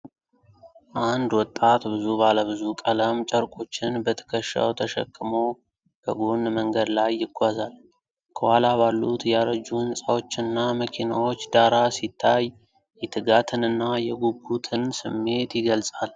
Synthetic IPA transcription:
ʔand̪wɔt̪ʼːat̪bɨzubaləβɨzukʼələmt͡ʃʼəɾkʼo̞t͡ʃːɪnbət̪ʰə̥kʰəʃːa̰wt̪ʰəʃə̰kʰʼːɨmo̞ | b̥əɡonməŋɡəd̪lajːɪɡʷazal | kʰəhalabalːut̪jɛaɾəd͡ʒuɨnsʼawo̞t͡ʃːɨnːaməkʰinawo̞t͡ʃːd̪aɾasit̪ʰːaj | jɛt̪ʰɨɡat̪ʰɨnɨnːajɛɡubːut̪ʰɨnsɨmːe̞t̪jɪɡəlsʼal

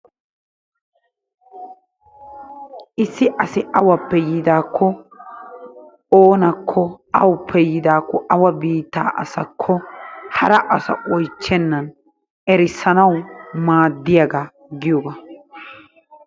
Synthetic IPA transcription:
ʔɪsːɪʔɐsɪʔɐwɐpːɛjɪd̪aːkʰːɔ | oːnɐkʰːɔɐwʊpʰːɛjɪd̪aːkːɔʔɐwɐbiːt̪ːa̰ːʔɐ̰sɐkʰːɔhɐɾɐʔɐsɐ̰ʔɔjt͡ʃːɛnːɐn | ɛɾɪsːɐnɐwmaːd̪ːɪjɐɡɐ | ɡɪjɔbɐ

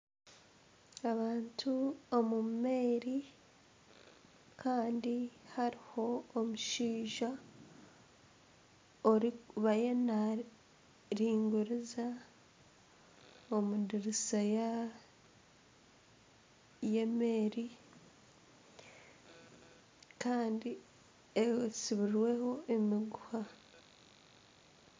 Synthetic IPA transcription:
aβaːntʰuomume̞ːɾi | kʰaːndihaɾiho̞ːmuʃiːʒa | oɾikβajena | ɾiːŋɡuɾiza | omudiɾisaja | je̞meːɾi | kaːndi | esiβiɾɾwe̞ho̞ʔemiɡuha

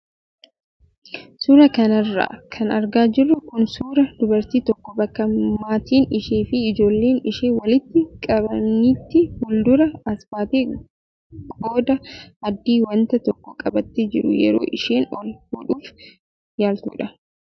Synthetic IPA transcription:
suːɾɐkɐnɐrːa̰ːkʰɐnɐɾɡaːd͡ʒɪrːʊkʊnsuːɾɐd̪ʊbɐɾt̪iːt̪ɔkːɔbɐkːɐmaːt̪iːnɪʃeːfɪːd͡ʒo̞ːlːe̞ːnɪʃeːwɐlɪt̪ːɪkʼɐbɐnːit̪ːɪhʊld̪ʊɾɐɐsbaːt̪iː | ɡʼoːd̪ɐɐd̪ːiːwɐnt̪ɐt̪ɔkːɔkʼɐbɐt̪ːɪd͡ʒɪɾʊ̰jɛ̰ɾo̰ːʔɪʃeːnɔlhuᶑuːf | jaːlt̪ṵːᶑɐ

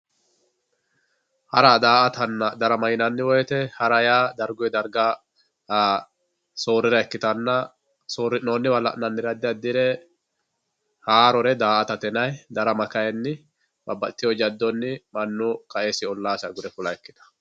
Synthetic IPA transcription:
hɐɾɐd̪aːʔɐt̪ɐnːɐd̪ɐɾɐmɐjɪnɐnːɪwɔjɛt̪ɛhɐɾɐjaːd̪ɐɾɡʊjɛd̪ɐɾɡa | so̞ːɾɪɾɐɛkːɪt̪ɐnːɐ | soːɾɪnoːnːɪwɐlːɐ̰ʔnɐnːɪd̪ɐd̪ɪjɐd̪ɪɾɛ | haːɾɔɾɛd̪aːʔɐt̪ɐt̪ɛnɐjd̪ɐɾɐmɐkɐjɛnːɪ | bɐbːɐt̪ːɪjɔd͡ʒɐd̪ːɔnːɪmɐnːʊkɐʔesɪɔlːaːsɐɡʊd̪ɛfʊlɐɛkːɪ̥t̪ɐ̥

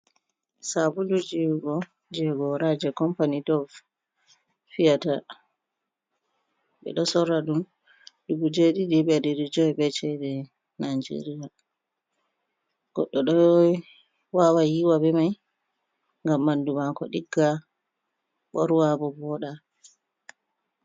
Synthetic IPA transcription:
sabulud͡ʒiɡɔ | d͡ʒɛɡɔɾad͡ʒɛkɔmpanidɔf | fijata | ɓɛ̰ɗɔsɔɾːaɗum | duɡud͡ʒeɗiɗiɓɛdiɾid͡ʒɔjɓɛt͡ʃɛdɛ | nad͡ʒḛɾija | ɡ̥ɔ̰ɗːɔɗɔ | wawajiwabɛmaj | ŋɡamːandumakɔ̰ɗiɡːa | ɓɔɾwabɔbɔɗa

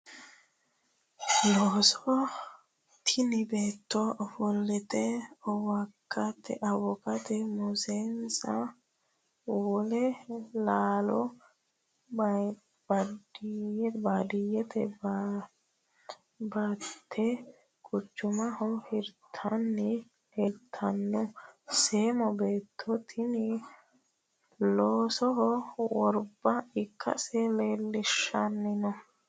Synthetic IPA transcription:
loːsɔ | t̪ʰɪnɪbeːt̪ːɔʔɔfɔlːɛt̪ɛɔwɐkʰːɐt̪ːɛ̰ʔɐwɔkɐt̪ɛmʊseːnsɐ̰ | wɔlɛlaːlɔ | bd | baːd̪ɪjɛt̪ʰɛ | baːt̪ʰːɛ | kʼʊt͡ʃːʊmɐhɔhɪɾt̪ʰɐnːɪ | hɪɾt̪ʰːɐnːʊseːmɔbe̞ːt̪ʰːɔt̪ʰɪnɪ | loːsɔɦɔwɔɾbɐɪkʰːɐ̰sɛleːlːɪʃːɐnːɪnɔ

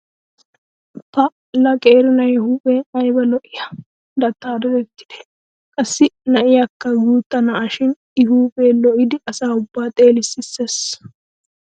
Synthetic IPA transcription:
pɐ | lɐkʼeːɾɪnɐjɛhuːpʼeːɐjbɐlɔʔɪjɐ | d̪ɐt̪ːaːd̪ɔd̪ɛt̪ːɪ̥d̪̥ɛ̥ | kʼɐsːɪnɐʔɪjɐkːɐɡuːt̪ːɐnɐaʃɪn | ɪhuːpʼeːlɔʔɪd̪ɪʔɐsaːʊbːaːt̪ʼe̞ːlɪsɪsːes

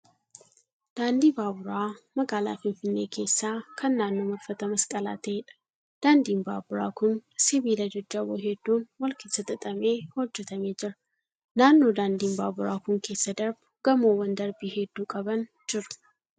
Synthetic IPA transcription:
d̪̥aːnd̪iːbaːbʊɾaːmɐɡaːla̰ːfɪnfɪnːe̞ːkʰe̞ːsːaːkʰɐnːaːnːo̞ːmɐlfɐt̪ɐmɐskʼɐla̰ːt̪ɐeᶑɐ̥ | d̪̥aːnd̪iːmba̰ːbʊɾa̰ːkʊnsɪβiːlɐd͡ʒɐd͡ʒːɐwoɦɛd̪ːuːnwɔlkɪsɐt̪ʼɐt̪ʼɐmeːhɔd͡ʒːɛt̪ɐmeːd͡ʒɪɾɐ | naːnːo̞ːd̪aːnd̪iːmbaːbʊɾaːkʊŋke̞ːsːɐd̪ɐɾbʊɡ̥ɐmoːwɐnd̪ɐɾbiːhɛd̪ːuːkʼɐbɐn | d͡ʒɪɾʊ̥

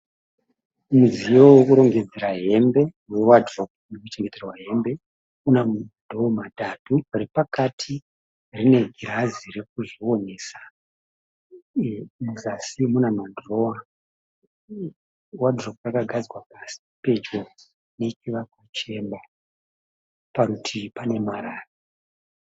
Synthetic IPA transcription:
muzijowekuɾo̞ŋɡe̞d͡zeɾaɦe̞mbe̞ | we̞wadrok̚nekut͡ʃe̞ŋɡed͡zerawaɦe̞mbe̞ | unamdʱoomadaturepakatʰi | rine̞ɡʱiɾazire̞k̚uʐiwo̞ne̞ːsḁ | muzasimunamadroa | wadroprakaɡʱad͡zwapasi̥pe̞d͡ʒo | ne̞t͡ʃiʋakwat͡ʃe̞mba | pakutʰipane̞maɾaːra

